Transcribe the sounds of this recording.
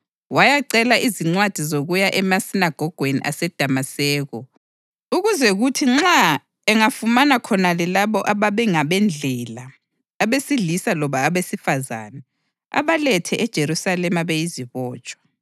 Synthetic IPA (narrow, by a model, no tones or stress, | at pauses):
wajaǀɛlaʔiziŋ͡ǀwad̥ʱizoɣujaʔɛmasinaɡ̥ʱɔɡ̥ʱwenḭʔasɛd̥ʱamasɛːɣɔ | uɣuzɛɣutʰiŋ͡ǁa | ɛŋafumanakʰɔnalɛlaβɔʔaβaβɛŋaβɛnd͡ɮʱɛlaː | βesiɮisalɔβaːβesifaza̰nɛ | a̰βalɛtʰɛʔɛd̥ʒ̥ʱeɾusalɛmaβejiziβɔːt͡ʃʼwɔ̥